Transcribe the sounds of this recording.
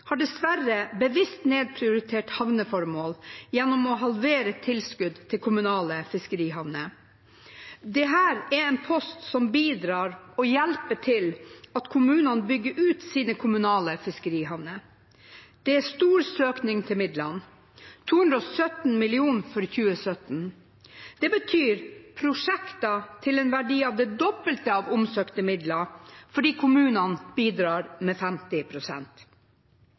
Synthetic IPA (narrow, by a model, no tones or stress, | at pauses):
hɑɖɛsʋæɾəbəʋɪst̪neːd̪̚pʰɾɪʊɾɪt̪ʰeːʈhɑʋnəfɔɾmoːljɛnːɔmɔɦɑlʋeːɾət̪ʰɪlskʉd̪t̪ʰːɪlkʰʊmʉnɑːləfɪskəɾiːhɑʋnə | d̪ɛɦæːɾɛɛnpʰɔst̪sɔmbiːd̪ɾɑːɾɔjɛlpəʈʰɪlɑt̪kʰʊmʉːnənbʏɡːəɾʉːt̪siːnəkʰʊmʉnɑːləfɪskəɾiːhɑʋnə | d̪̥ɛæst̪uːɾsøːknɪŋt̪ʰɪlmɪd̪lɑn | t̪ʰuːhʉnd̪ɾɔsœt̪n̩mɪlɪuːnfɔɾçʉːəsœt̪n̩ | d̪̥ɛbət̪ʰyːɾpʰɾʊʂɛkt̪ɑt̪ʰɪlɛnʋæɖiːɑʋd̪ɛd̪ɔbəlt̪əɑːʋʊmsøːkt̪əmɪd̪lɑfɔɖiːkʰʊmʉːnɑnb̥iːd̪ɾɑːɾmɛfɛmt̪ɪpʰɾʊsɛ̰nt̪